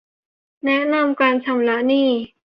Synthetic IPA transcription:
nɛ˦˥ʔna˧mkaː˧nt͡ɕʰa˧mla˦˥ʔniː˥˩

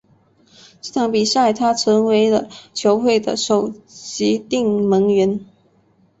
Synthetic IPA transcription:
t̪ɑ˥˩ŋpi˨˩sa˥˩ɪt̪ʰa˥ʈ͡ʂʰɤ˧˥ŋwe˧˥ɪlə˨t͡ɕʰjo˧˥ʊxwe˥˩ɪd̪ə̰˨˩ʂo˨˩ʊt͡ɕi˧˥t̪i˥˩ŋmə˧˥ŋɥɛ˧˥n

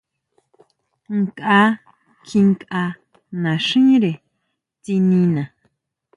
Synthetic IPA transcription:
ŋkʼa˧˦ | kʰi˧ŋkʼa˧ | nã˨ʂĩ˦ɾe˨ | t͡si˧nĩ˧nã˨

